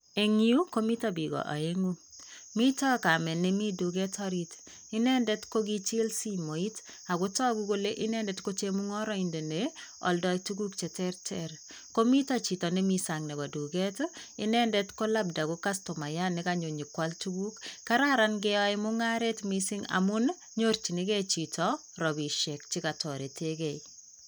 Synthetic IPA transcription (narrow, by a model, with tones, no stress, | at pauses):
e˨ŋi˦u˦ko˦mi˦tabi˨ɡɔ̰˨ʔa̰˨eŋu˦ | mi˦tɔ˦ka˨mɛ˨nːe˦mi˦du˨ɡe˦tɔ˦ɾi˦t | ɪ˦nɛ˦ndɛ˦tko˦ɡi˦t͡ʃɪ˦lsi˦mo˨i˦t | a˨ɡʊ˦tɔ˦ɡu˦ko˦le˦ʔɪ˦nɛ˦ndɛtko˦t͡ʃe˦mu˦ŋɔ˦ɾɔ˦inde˨neɔ̰˨ldɔ˦ituɡu˦kt͡ʃɛ˨tɛrtʰɛɾ | ko˦mi˦tɔt͡ʃi˨tɔ˨nemisaŋne˨ba˨du˨ɡɛtɪ̰˦nɛ˦ndɛtko˦lab̚da˨kokasto˨ma˨janɪkaɲo˨ɲi˨kwaltuɡu˦kkːa˦ɾaɾa˦nɡ̬ɛɔimʊŋaɾe˦tmisi˦ŋa̰mʊ˦n | ɲoɾt͡ʃi˨niɡɛ˦t͡ʃi˨tʰɔ | ɾɔ˨bi˨ʃɛ˨k̚t͡ʃi˦katɔ˨ɾe˨tʰeɡɛi